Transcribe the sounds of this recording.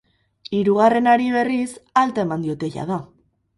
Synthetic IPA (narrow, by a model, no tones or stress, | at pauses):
iɾuɣ̞are̞naɾiβe̞risalt̪aemand̪io̞t̪e̞ja̰ð̞a